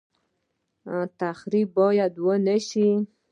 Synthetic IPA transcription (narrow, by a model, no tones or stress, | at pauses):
t̪axɾibːɑjad̪wənəʃi